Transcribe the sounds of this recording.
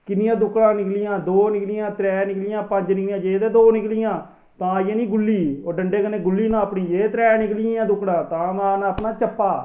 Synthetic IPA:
kɪnɪjãːd̪ʊkːɽãːnɪklɪjãːd̪oːnɪklɪjãːt̪ɾɛːnɪklɪjãːpəɲd͡ʒnɪkljãːd͡ʒeːd̪eːd̪oːnɪklɪjãː | t̪ãːjẽːnĩːɡʊlːiːoːɖəɳɖeːkənːeːɡʊlːiːnãːpɳiːd͡ʒeːt̪ɾɛːnɪklɪjãːd̪ʊkːɽãːt̪ãːmaːnaːpnaːt͡ʃəpːaː

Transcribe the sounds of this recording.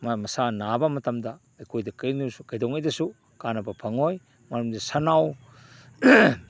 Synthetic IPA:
mamɐsanabɐmɐtɐmdɐːjkʰojdɐkajnusukɐjdɔŋɐjdɐsu | kanɐbɐpʰaŋoj | maɾumdisanaw

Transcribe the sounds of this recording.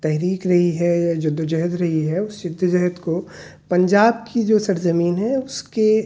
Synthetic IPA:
t̪ɛɦɾiːkɾɐɦiɦɛjad͡ʒʊd̪ʱːd͡ʒɛɦd̪ɾɐɦiɦɛʊsjɪd̪ʱːd͡ʒɛɦd̪ko | pɐ̃ɲd͡ʒaːb̚kid͡ʒoːsɐɾzɐmiːnɦɛʊske

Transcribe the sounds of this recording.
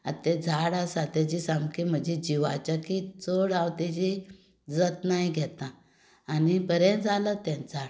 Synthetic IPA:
a̰t̪ed͡zʱaɽasat̪at͡ɕisamkim̤əd͡ʑed͡ʑiʋat͡ɕakit͡soɽawt̪et͡ɕi | d͡zət̪najɡʱɛt̪ãː | nibəɾẽd͡zalət̪ɛ̃nt͡saɽ

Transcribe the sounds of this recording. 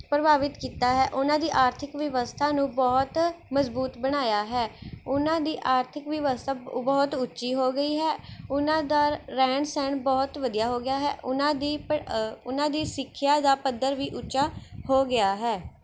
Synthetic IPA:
pɾəbaːʋɪt̪kiːt̪aːɦɛːʔʊnãːd̪iːʔaːɾt̪ʰɪkʋɪʋəst̪ʰaːnũːbɔːt̪məzbuːt̪bəɽ̃aːjaːɦɛːʊnãːd̪iːʔaːɾt̪ʰɪkʋɪʋəst̪ʰaːbɔːt̪ʊtːt͡ʃiːɦoːɡəiːɦɛːʊnãːd̪aːɾɛ̃ːɳsɛ̃ːɳbɔːt̪ʋəd̪ijaːɦoːɡɪjaːɦɛːʔʊnãːd̪iːʊnãːd̪iːsɪkʰːjaːd̪aːpəd̪ːəɾʋiːʔʊːt͡ʃaːhoːɡɪaːɦɛː

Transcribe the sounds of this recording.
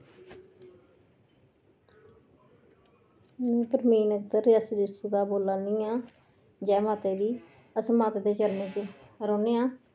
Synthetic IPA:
mɛ̃ːpəɾmiːnəkt̪əɾɪjəsdɪst̪ud̪aːboːlaːnĩːãː | d͡ʒɛːmaːt̪eːd̪iː | əsmaːt̪ːd̪eːt͡ʃəlneːt͡ʃe | ɾɔːneːãː

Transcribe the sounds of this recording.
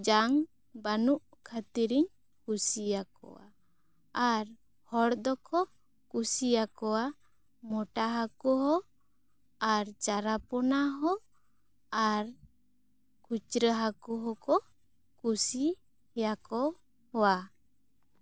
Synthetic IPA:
d͡ʒaŋ | banuʔ | kʰat̪iɾiɲ | kusijakɔ̰wa̰ | aɾ | hɔɽd̪ɔkʰɔ | kusijakɔwa | mɔʈaɦakɔɦɔ | aɾt͡ʃaɾapɔnaɦɔ | aɾ | kut͡ʃɾəɦakuɦɔkɔ | kusi | hjakɔ | hɔwa

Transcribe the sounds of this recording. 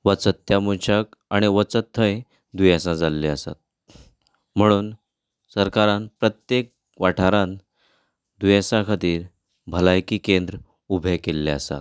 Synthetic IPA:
ʋət͡sət̪ːjamuɕəkaɽ̃iʋət͡sət̪ʰːə̃j | d̪ujãsãd͡zalːeəsa̰t̪̚ | m̤əɽ̃uːn | səɾkaɾãnpɾət̪jek̚ | ʋaʈʰaɾãn | d̪ujãsãkʰat̪iːɾ | bʱəlajkiːkend̪ɾə | ubʱekelːeəsa̰t̪

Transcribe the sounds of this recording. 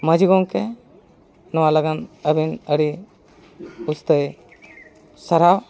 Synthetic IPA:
məd͡ʒiɡɔŋkɛ | nɔwalaɡanəbinəɽi | ust̪əj | səɾaw

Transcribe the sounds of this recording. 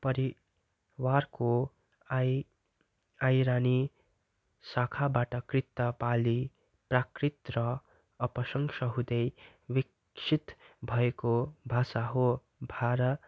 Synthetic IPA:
pʌɾi | warko | ajɾani | sakʰabaʈʌkrit̪ːʌpali | prakrit̪rʌ | ʌpʌsʌŋsʌɦud̪ʌj | wik | sʰit̪bʱʌekobʱasaɦo | bʱaɾʌ

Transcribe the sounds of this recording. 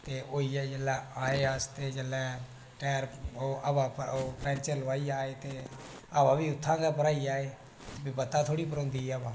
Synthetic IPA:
t̪eːʔoːiːɛːd͡ʒəlɛːaːeːəst̪eːd͡ʒəlːɛː | ʈɛːɾoːʔəbãːoːpɛ̃ːnt͡ʃəɾləʋaːiːaːeːt̪eː | aːbãːbiːʊt̪ʰːãːɡɛːpəɾaːiːaːeː | t̪ːbibət̪ːãːt̪ʰoːɽiːpəɾõːnd̪iːɛəbãː

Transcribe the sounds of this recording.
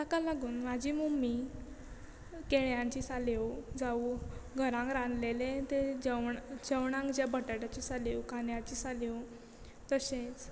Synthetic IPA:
t̪akalaɡuːnmad͡ʑiːmumi | keɭjãɲt͡ɕisalewd͡zauɡʱəɾãŋkɾanlelẽt̪ed͡ʑəwɳd͡ʑəwɳãŋkd͡ʑjabʱəʈaʈat͡ɕisaleukanjat͡ɕiːsalew | t̪əsẽt͡s

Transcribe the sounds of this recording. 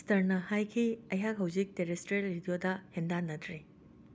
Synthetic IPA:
stɐɾnɐhajkʰiɐjɦakɦɐwzik̚teɾestɾielːidijodɐhendanːɐtʰɾi

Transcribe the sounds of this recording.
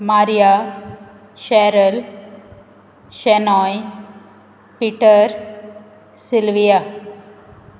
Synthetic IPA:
maːɾija | ʃɛɾɐl | ʃenɔːj | piʈːəɾ | sɪlʋija

